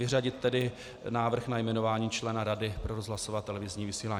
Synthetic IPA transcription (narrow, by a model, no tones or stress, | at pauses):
ɪraɟɪt̪̚ːɛdɪ | naːvr̩xnajmɛno̞vaːɲiːt͡ʃlɛnaɾadɪpɾoɾozɦlasovaːt̪ɛlɛvɪzɲiːvɪsiːlaː